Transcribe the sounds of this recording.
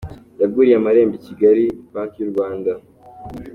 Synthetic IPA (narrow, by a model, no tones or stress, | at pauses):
jaɡɡuːɾijamaɾe̞ːmbiciɡaɾipaːntijuɾɡwaːnda